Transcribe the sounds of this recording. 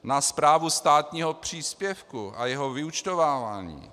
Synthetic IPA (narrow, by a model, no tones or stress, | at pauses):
naspɾaːvust̪aːt̪ɲiːɦopr̝̥iːspjɛfkuʔa̰jɛɦovɪut͡ʃt̪ovaːva̰ːɲḭː